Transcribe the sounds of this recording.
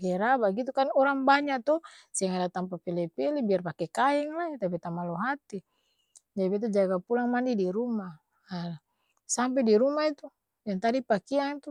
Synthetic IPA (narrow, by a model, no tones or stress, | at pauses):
ɡɛɾabaɡit̪ukanɔɾaŋbaɲat̪ɔsiaŋadat̪ampapelɛpɛlibiarpakɛkaɛŋlat̪ap̬it̪amaloɦat̪i | d͡ʒabɛt̪ud͡ʒaɡapulaŋmandidiɾumaː | sampɛdiɾumait̪u | jaŋt̪adipakiaŋit̪u